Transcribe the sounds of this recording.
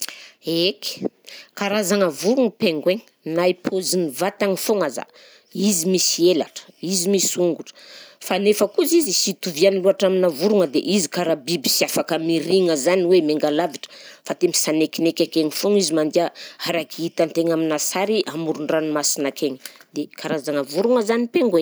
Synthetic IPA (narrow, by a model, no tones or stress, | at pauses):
eki̥kaɾazaŋəvuɾuŋəpeŋɡweɲ | naipʰozinivat̪aŋifoŋaza̰ | izimisielaʈ͡ʂə̥izimisuŋɡuʈ͡ʂə̥fanefəkuzizisit̪uvianiluaʈ͡ʂaminavuɾuŋəd̪ḛʔizikaɾabibisiafakəmiɾiŋəzaniwemeŋɡalaviʈ͡ʂə̥fat̪emisanekinekʲakeŋifoŋizimand̪iaaɾakiit̪ant̪eɲaminasaɾiʔamuɾuɳɖ͡ʐanimasinakeŋə̥d̪ekʰaɾazaŋəvuɾuŋəzanipeŋɡwe